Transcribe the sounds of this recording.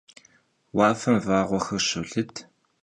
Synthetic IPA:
waːfɐmvaːʁʷɔxɐrɕʊɮɨt

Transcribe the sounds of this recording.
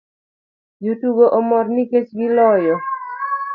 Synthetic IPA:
jutuboʔɔmɔrniket͡ʃɡilɔjɔ

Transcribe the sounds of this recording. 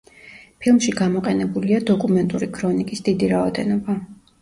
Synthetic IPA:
pʰilˠmʃiɡamɔqʼɛnɛbuliad̪ɔkʼumɛnt̪ʼuɾikʰɾɔnikʼisd̪id̪iɾaɔd̪ɛnɔba

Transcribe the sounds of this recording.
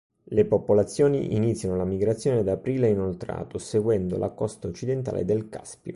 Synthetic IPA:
lepopolat̪sːjoːnḭʔḭnit̪sːjanolamiɡɾat̪sːjoːned̪apɾiːleinolt̪ɾa̰ːt̪oseɡwɛnd̪o̰lʔa̰kːɔst̪aot͡ʃːid̪ent̪a̰ːlḛd̪elka̰spjo

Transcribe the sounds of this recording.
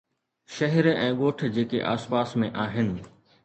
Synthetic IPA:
ʃɐɦɪɾɛ̃ːɠoːʈ̆ʰd͡ʑeːkḛʔa̰ːspaːsmẽʔaːɦɪnɪ̆

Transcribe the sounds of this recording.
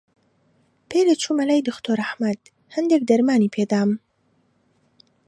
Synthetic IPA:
pelet͡ʃʰumalajd̪ʊxt̪oɾahmad̪̥ | hand̪ek̚d̪aɾmaːnipʰed̪aːm

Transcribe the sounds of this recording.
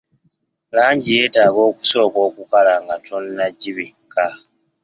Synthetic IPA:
laːɲɟije̞ːtaːɡo̞ːku̥so̞ːko̞ːkukalaŋɡatʰo̞nːaɟiβikʰːa

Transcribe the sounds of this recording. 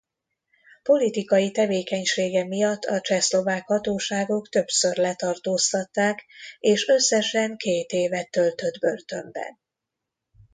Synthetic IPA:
po̞lit̪ikɒjit̪ɛveːkɛɲʃeːɡɛmijɒt̪ːɒt͡ʃɛslo̞vaːkhɒt̪oːʃaːɡo̞kt̪ø̞psø̞rlɛt̪ɒrt̪oːst̪ɒt̪ːaːkeːʃø̞sːɛʃɛŋkeːt̪eːvɛt̪ːø̞lt̪ø̞d̪bø̞lt̪ø̞mbɛ̰n

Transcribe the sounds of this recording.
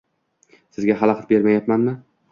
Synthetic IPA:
sɪzɡʲaɦɑlˠɑqʰɑt̪̚be̞ɾmajapmanmɪ

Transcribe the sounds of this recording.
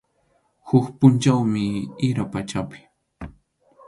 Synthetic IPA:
hʊkpʊnt͡ʃawmɪɪɾapat͡ʃapɪ̥

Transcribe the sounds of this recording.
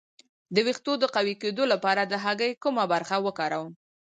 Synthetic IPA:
d̪əwixt̪od̪əqawiked̪olapɑɾad̪əɦaɡəjkumabaɾxawəkɑɾawəm

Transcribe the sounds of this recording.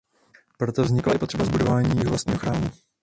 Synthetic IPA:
pɾot̪ovzɲɪklajɪpo̞t̪r̥ɛbazbudovaːɲiːjɪɦolast̪ɲiːɦoxɾaːmu

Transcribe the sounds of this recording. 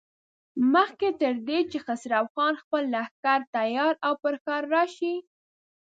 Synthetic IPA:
məxket̪əɾd̪et͡ʃexasɾawxɑnxpəlːaxkaɾt̪ajɑɾawpəɾkɑɾːɑʃi

